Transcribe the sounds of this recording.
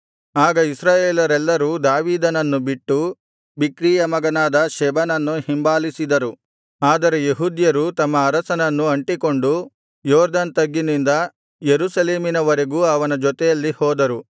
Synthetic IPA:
aːɡɐisɾaːjeːlɐɾɛlːɐɾuːd̪aːʋiːd̪ɐnɐnːubiʈːu | bikɾiːjɐmɐɡɐnaːd̪ɐʃɛbɐnɐnːuhimbaːlisid̪ɐɾu | aːd̪ɐɾejeɦud̪jɐɾut̪ɐmːɐːɾɐsɐnɐnːuɐɳʈiko̞ɳɖu | jɔːɾd̪ɐnt̪ɐɡːinind̪ɐ | jeɾuːsɐleːminɐʋɐɾeɡuɐʋɐnɐd͡ʒɔt̪ɛjɐlːihɔːd̪ɐɾu

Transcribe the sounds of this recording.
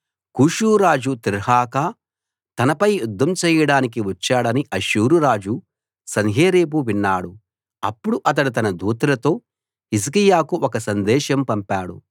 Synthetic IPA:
kuːʃuːɾaːd͡ʒut̪iɾhaːkaː | t̪ɐnɐpɐjjud̪ʱːɐmt͡ʃɛːjɐɽaːnik̬iʋɐt͡ʃːaːɽɐniʔɐʃuːɾuɾaːd͡ʒu | sɐnɦeːɾeːp̬uʋinːaːɽu | ɐpːuɽuʔɐt̪̬ɐɽut̪̬ɐnɐd̪uːt̪ɐlɐt̪o̞ː | ɦis̬kijaːkuʔɔkɐsɐnd̪ɛːʃɐmpɐmpaːɽṵ

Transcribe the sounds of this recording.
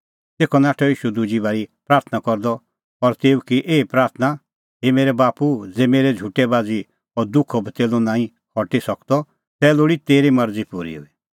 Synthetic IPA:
t̪eːkʰɔnaːʈʰɔiːʃud̪ud͡ʒibaːɾipɾaːɾt̪ʰnakɔɾd̪ɔ | ɔɾt̪eːukiʔeːpɾaːɾt̪ʰna | ɦemeːɾɛbaːpud͡zeːmeːɾɛd͡zʱuːʈɛbaːd͡zi | ɔɾd̪ʊkʰɔbt̪eːlunãːĩ | kʰɔʈisɔkd̪ɔ | t̪ɛːloːɽit̪eːɾimɐɾd͡zipuɾḭɦʊ̰i

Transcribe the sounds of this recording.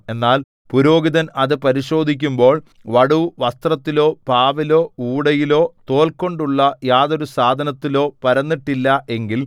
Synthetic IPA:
e̞nːaːl | puɾo̞ːɡiðɐnɐðɨpɐɾiɕo̞ːd̪ʱikʲːumbo̞ːɭ | ʋɐɽuʋɐst̪rɐt̪ːilo̞ːpaːʋilo̞ːuːɽɐjilo̞ːt̪o̞ːlkːo̞ɳɖuɭːɐjaːðo̞ɾusaːd̪ʱɐnɐt̪ːilo̞ːpɐɾɐnːiʈːilːɐʔe̞ŋɡil

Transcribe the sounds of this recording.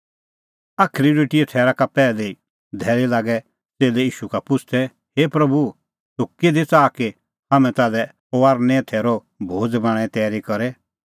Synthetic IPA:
aːkʰɾiɾiːʈɪet̪ʰɛːɾakapɛːlɛi | d̪ʱɛːɾilaːɡɛ | t͡seːlɛiːʃukapʊt͡sʰt̪ʰɛ | hepɾɐbu | t̪ʊked̪it͡saːke | ɦaːmɛ̃t̪aːlɛ | oaːɾnɛ̃t̪ʰɛːɾɔ | bʱoːd͡zbãːɽ̃ɛt̪ɛːɾikɔɾɛ

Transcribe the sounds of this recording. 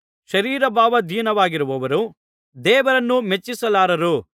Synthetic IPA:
ʃɐɾiːɾɐbʱaːʋɐd̪ʱiːnɐʋaːɡiɾuʋɐʋɐɾu | d̪ɛːʋɐɾɐnːumet͡ʃːisɐlaːɾɐɾu

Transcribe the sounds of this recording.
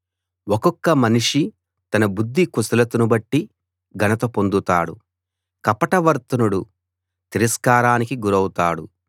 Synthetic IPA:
wɔkɔkːɐmɐniʂi | t̪ɐnɐbud̪ːikusɐlɐt̪unubɐʈːi | ɡʱɐnɐt̪ɐpo̞nd̪ut̪a̰ːɽu | kɐpɐʈɐʋɐɾt̪ɐnuɽu | t̪iɾɐskaːɾaːnikiɡuɾɐwut̪aːɽṵ

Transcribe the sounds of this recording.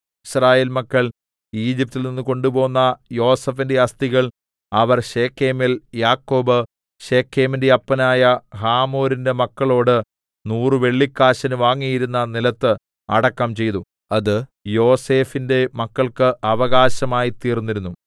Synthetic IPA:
iɕraːje̞ːlmɐkːɐɭ | iːd͡ʑip̚t̪ːilninːuko̞ɳɖubo̞ːnːɐjo̞ːsɐfinde̞ɐst̪iɣɐɭ | ɐʋɐrɕe̞ːkʰːe̞ːmiljaːkːo̞ːbɨ | ɕe̞ːkʰːe̞ːminde̞ɐpːɐnaːjɐhaːmo̞ːɾinde̞mɐkːɐɭo̞ːɽɨ | nuːrɨʋe̞ɭːikːaːɕɐnuʋaːŋːijiɾunːɐnilɐt̪ːɨ | ɐ̰ɽɐkːɐmt͡ɕe̞jt̪u | ɐðɨjo̞ːse̞ːfinde̞mɐkːɐɭkɨʔɐʋɐɣaːɕɐmaːjit̪iːrnːiɾunːu

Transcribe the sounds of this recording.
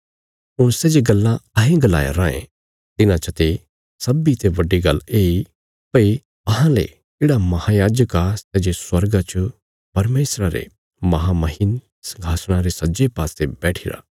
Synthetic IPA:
ʊɽ̃sɛːd͡ʒeɡɐlːãɐɦẽɡɐla̰ːjḛɾãːḛ̃ | t̪ɪnãt͡ʃɐt̪e | sɐbit̪eʋɐɖiɡɐlːeːi | pɐi | ɐɦãlḛ | d͡ʒeːɽamɐhajaːd͡ʒəkasɛːd͡ʒeswɐɾɡat͡ʃə | pɐɾmeːsɾaɾḛ | mɐɦamɐɦin | sɐ̃ŋɡʱaːsɽ̃aɾesɐd͡ʒepaːsebɛːʈʰɪɾa̰ː

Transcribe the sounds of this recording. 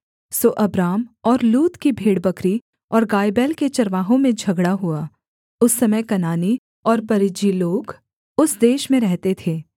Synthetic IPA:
soːʔɐbɾaːmɔːɾluːt̪kibʱeːɽbɐkɾi | ɔːɾɡaːjbɛːlket͡ʃɐɾʋaːɦõmẽd͡ʒʱɐɡɽaɦuaː | ʊsːɐməjkɐnaːni | ɔːɾpɐɾɪd͡ʒiloːɡ | ʊsd̪eːʃmẽɾɛɦt̪et̪ʰeː

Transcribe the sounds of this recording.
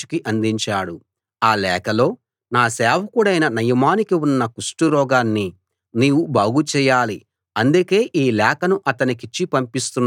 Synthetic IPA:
u̥kiʔɐnd̪iɲt͡ʃaːɽu | aːlɛːkɐlo̞ː | naːsɛːwɐkuɽɐjnɐnɐjɐmaːnikiwunːɐkusʈuɾɔːɡaːnːi | niːwubaːɡut͡ʃɛːjaːli | ɐnd̪uke̞ːʔiːlɛːkɐnuʔɐt̪ɐnikit͡ʃːipɐmpist̪unː

